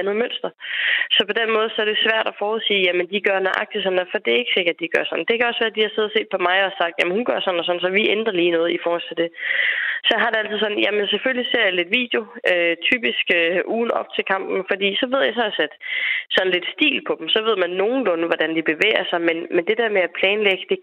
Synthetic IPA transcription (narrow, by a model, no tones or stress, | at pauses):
ænð̩ˠmøn̰sd̥ɐsɒ̽pʰɒ̽d̥enmɔ̽ːð̞̩ˠsɒ̽d̥e̝sʋæɐ̰ɾ̥ɒfɒːuð̩ˠsiːjæmənd̥iɡ̥ɶɐnæʔɑ̈ɡ̥̚d̥i̥sɒ̽nɒfɒ̽d̥e̝æɐe̝ɡ̥se̝ɡ̥ɐd̥ːiɡ̥ɶɐsɒ̽nd̥e̝kʰæɒ̽sʋæːɐd̥ihɑ̈se̝ðˠɐse̝̰ːd̥pʰɒ̽mɑ̈ɪɒ̽sɑ̈ɡ̥̚d̥jæmənhunɡ̥ɶɐsɒ̽nɒsɒ̽nsɒ̽ʋiend̥ʁɐliːnɔ̽ːð̩ˠifɒːhɒ̽l̰t͡sʰe̝d̥e̝ | sɒ̽ɦɑ̈d̥e̝æl̰t͡sʰiðˠsɒ̽n̩jæmənseføllise̝ɐ̰jale̝d̥ʋḭːd̥jo̝øt͡sʰy̰ːb̥isɡ̥øʔuːn̩ɒ̽b̥̚t͡sʰe̝lkʰɑ̈m̰b̥n̩fɒ̽d̥ḭːsɒ̽ʋe̝ð̞̰ˠjɑ̈sɒsed̥sɒ̽n̩le̝d̥sd̥ḭːlpʰɒ̽d̥m̩sɒ̽ʋe̝ð̞̰ˠmænːo̝ːn̩lɔnəʋɒd̥ænd̥ib̥e̝ʋḛːɪɐsɑ̈ɪmenmend̥e̝d̥eɐmeæpʰlɛːnleɡ̥əd̥e̝